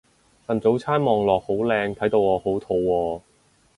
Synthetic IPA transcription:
sɐ˨˩nt͡so˨˥wt͡sʰaː˥nmɔː˨˩ŋlɔː˨k̚ho˨˥wlɛː˧ŋt̪ʰɐ˨˥jt̪o˧wɔː˨˧ho˨˥wt̪ʰo˨˧wːɔː˧

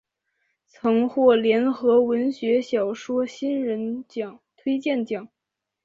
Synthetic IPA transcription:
t͡sʰɤ˧˥ŋxwɔ˥˩ljɛ˧˥nxɤ˧˥wə˧˥nɕɥɛ˧˥ɕjɑ˨˩ʊʂwɔ˥ɕi˥nɻə˧˥nt͡ɕjɑ˨˩˦ŋt̪ʰwe˥ɪt͡ɕjɛ˥˩nt͡ɕjɑ˨˩˦ŋ

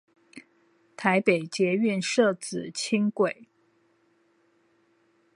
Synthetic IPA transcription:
t̪ʰa˧˥ɪpe˨˩ɪt͡ɕjɛ˧˥y˥˧nʂɤ˥˩t͡sɹ̩˨˩˦t͡ɕʰi˥ŋkwe˨˩˦ɪ

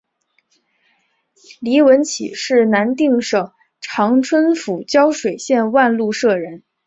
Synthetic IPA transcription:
li˧˥wə˧˥nt͡ɕʰḭ˨˩ʂɻ̩˥˩na˧˥nt̪i˥˩ŋʂɤ˨˩ŋ | ʈ͡ʂʰɑ˧˥ŋʈ͡ʂʰwə˥nfu˨˩t͡ɕjɑ˥ʊʂwe˨˩ɪɕjɛ˥˧nwa˥˧nlu˥˧ʂɤ˥˩ɻə˧˥n

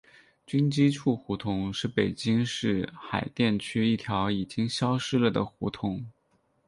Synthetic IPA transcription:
t͡ɕy˥nt͡ɕi˥ʈ͡ʂʰu˥˩xu˧˥t̪ʰʊ˧˥ŋʂɻ̩˥˩pe˨˩ɪt͡ɕi˥ŋʂɻ̩˥˩xa˨˩ɪt̪jɛ˥˩nt͡ɕʰy˥i˥˩t̪ʰjɑ˧˥ʊi˨˩t͡ɕi˥ŋɕjɑ˥ʊʂɻ̩˥lə˨d̪ə̰˩xṵ˧˥t̪ʰʊ˧˥ŋ

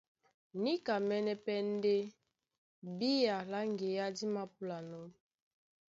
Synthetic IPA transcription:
ni˦ka˨mɛ˦nɛ˦pɛ˦n˦de˦ | bi˦ja˨la˦ŋɡe˨ja˦di˦ma˦pu˨la˨nɔ˦m

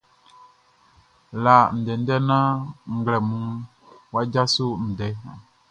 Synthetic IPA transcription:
la˨n̩˨dɛ˨n̩˦dɛ˦nã˦ŋ̩˨ɡlɛ˨mũ˦ | wa˦d͡ʒa˦so˦n̩˨dɛ˨˦

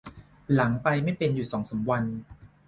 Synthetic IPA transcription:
la˩˦ŋpa˧jma˥˩jpe˧njuː˨˩sɔː˩˦ŋsa˩˦mwa˧n

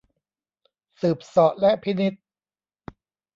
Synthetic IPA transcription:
sɯː˨˩p̚sɔ˨˩ʔlɛ˦˥ʔpʰi˦˥ni˦˥t̪̚

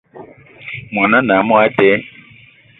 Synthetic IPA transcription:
m˨ɔ˨nɔ̃˦nã˨mɔ̃˦a˦tɛ˦

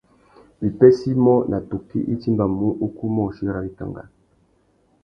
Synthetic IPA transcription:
li˨pɛ˦si˦mɔ˦nʔa˨to˨kḭ˦ʔi˦ti˦mba˨mu˦ʔu˦ku˦mɔ˦˨ʃi˦ɾa˦li˦ka̰˨ŋɡa̰˨

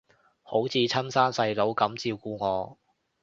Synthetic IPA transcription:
ho˨˥wt͡sʰiː˨˧t͡sʰɐ˥nsaː˥nsɐ˧jlo˨˥wkɐ˨˥mt͡siː˧wkuː˧ŋɔː˨˧

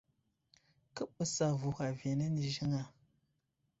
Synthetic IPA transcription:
kɨ˦ɓə˨sa˨vu˨ha˨vje˨ne˦ni˨ʒi˦ŋa˦˨

